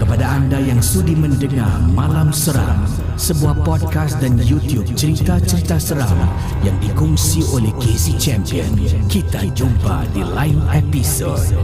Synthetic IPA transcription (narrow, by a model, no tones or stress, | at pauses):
kəpadaandajaŋsudiməndəŋa̰rmalamsəɾa̰ŋ | səbuahpɔd̚kast̪danjut̪jub̚t͡ʃəɾit̪at͡ʃəɾit̪asəɾaŋ | jaŋdikuŋsiolɛhkesit͡ʃɛmpiənkit̪ad͡ʒuba̰dilainepiso̰d